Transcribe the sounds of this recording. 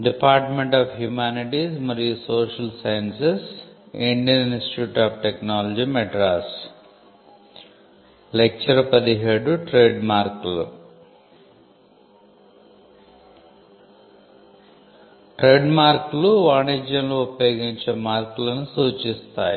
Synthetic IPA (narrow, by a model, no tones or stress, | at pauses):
ɖipaːɾʈmeɳʈaːpʰɦjuːmaːniʈismɐɾijusoːʃɐlsɐjɐnsesiɳɖijɐninstʈi̥ʈjuːʈaːpʈeknaːlɐd͡ʒimɛʈɾaːs | lek̚t͡ʃɐɾɐpɐd̪iɦeːɖuʈɾe̞ːɖmaːɾklṵ | ʈɾe̞ːɖmaːɾkluʋaːnid͡ʒjɐmloupjo̞ːɡiɲt͡ʃemaːɾkulɐnusuːt͡ʃist̪a̰ːji